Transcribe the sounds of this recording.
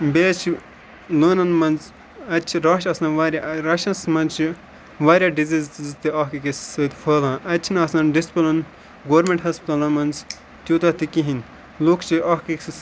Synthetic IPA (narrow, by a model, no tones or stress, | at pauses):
beːt͡ʃʰi | loːnɐnmɐnz | ɐt͡ʃʰiɾaːʃɐsãːʋaːɾʲjaɾɐʃɐ̃nsmɐnt͡ʃʰi | ʋaːɾʲjaɖiziːzzt̪iɐːɦkikessət̪fʰɐːlãːʔɐtt͡ʃʰinɐsɐnɖispɐlɐn | ɡoːɾmẽɳʈɦɐspt̪ɐlɐmɐnz | t̪ʲjuːt̪ɐt̪ikiɦin | luːkʰt͡ʃʰiʔɐːkik